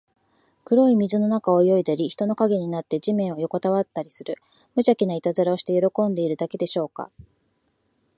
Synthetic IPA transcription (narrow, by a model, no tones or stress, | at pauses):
kɯ̟ɾo̞imʲizɨno̞nakaojo̞id̪aɾʲiçi̥t̪o̞no̞kaɡe̞ɲ̟inat̪ːe̞d͡ʑimẽɰ̃o̞jo̞ko̞t̪aβat̪ːaɾʲisɨɾɯ̟ | mɯ̟ʑakʲinait̪azɨɾao̞ɕi̥t̪e̞jo̞ɾo̞kõ̞nd̪e̞iɾɯ̟d̪ake̞d̪e̞ɕo̞ːka̰